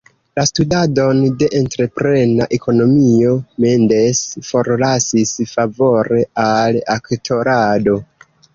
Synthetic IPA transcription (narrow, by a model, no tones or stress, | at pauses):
lastudado̞nde̞ʔentɾe̞pɾe̞naʔe̞ko̞no̞mio̞mende̞sfo̞ɾlasisfavo̞ɾe̞alaktʰo̞ɾado̞